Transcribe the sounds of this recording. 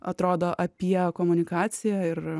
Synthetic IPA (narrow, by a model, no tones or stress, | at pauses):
ɐt̪ɾoːd̪oːʔɐpʲiɛkoːmʊnʲɪkɑːt̪sʲɪjæɪr